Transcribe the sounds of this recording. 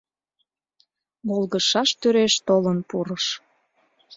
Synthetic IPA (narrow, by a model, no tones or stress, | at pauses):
molˠɣəʃɑʃt̪yɾeʃt̪olənpuɾəʃ